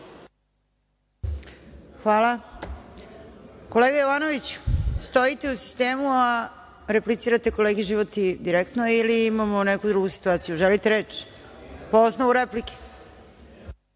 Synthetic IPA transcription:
xʋaːla | ko̞le̞ːɡajoʋaːno̞ʋit͡ɕu̥st̪o̞it̪eusi̥st̪e̞ːmua | ɾeplit̪siːɾat̪e̞ko̞leːɡeʒiʋo̞t̪id̪iɾekt̪noiliːmamonekud̪ɾuɡusi̥t̪uaːt̪sijuʒelit̪eɾe̞ːt͡ʃ | poosnoʋuɾeplike̥

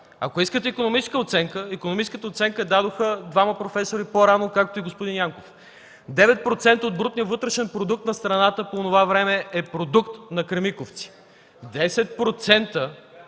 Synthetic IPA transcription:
ɐ̰koiskət̪ɛikonomit͡ʃɛ̥skəot̪sɛŋkəikonomit͡ʃɛskət̪əot̪sɛŋkəd̪ad̪oxəd̪vamɐpɾofɛsoɾipoɾanokak̚t̪oiɡospod̪injaŋkof | d̪ɛvɛt̪̚pɾot̪sɛnt̪əod̪bɾut̪nijəvɤt̪ɾɛʃɛnpɾod̪uk̚t̪nɐst̪ɾɐnat̪əpoːnovavɾɛmɛɛpɾod̪ukt̪nɐkɾɛmikoft̪si̥ | d̪ɛsɛt̪̚pɾot̪sɛnt̪ə

